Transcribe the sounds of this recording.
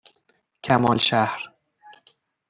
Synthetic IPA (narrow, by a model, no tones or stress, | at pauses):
cʰæmɒːlʃæhɾ